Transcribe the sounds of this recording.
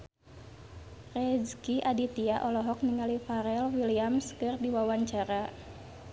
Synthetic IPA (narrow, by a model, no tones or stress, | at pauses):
rɛd͡ʒkiʔadit̪iaʔɔlɔɦɔk̚niŋalifaɾɛlwiliamskɨrdiwawaɲt͡ʃaɾa